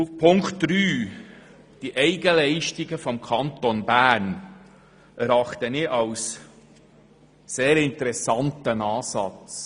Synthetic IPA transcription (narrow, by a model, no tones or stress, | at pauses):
ufpʰʊŋktd̥ɾyː | d̥iʔɛɪɡəlɛɪʃtiɡəfɔmkʰɑnt̪onbæːɾn | ʔɛɾɑχt̪ənɪʔɑws | eːɾɪnt̪əɾɛsɑntənɑːsɑ̰t͡s